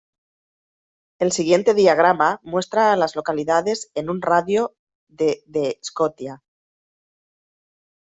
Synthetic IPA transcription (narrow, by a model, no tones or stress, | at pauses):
e̞lsiɣ̞je̞nt̪e̞ðiaɣ̞ɾamamwe̞st̪ɾaːlazlo̞kaliðað̞e̞senunraðjo | ðeðeskoθja